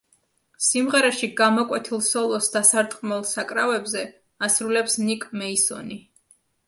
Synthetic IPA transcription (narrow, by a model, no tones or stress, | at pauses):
simʁɛɾɛʃiɡamɔkʼwɛt̪ʰilˠsɔlˠɔsd̪asaɾt̪ʼqʼmɔlˠsakʼɾavɛbzɛ | asɾulɛpsnikʼmɛisɔ̰ni